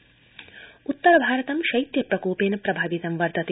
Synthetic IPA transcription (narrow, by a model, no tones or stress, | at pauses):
ut̪ːɐɾɐbʱaːɾɐt̪ɐmʃɐjt̪jɐpɾɐkoːpeːnɐpɾɐbʱaːʋit̪ɐmʋɐɾt̪ɐt̪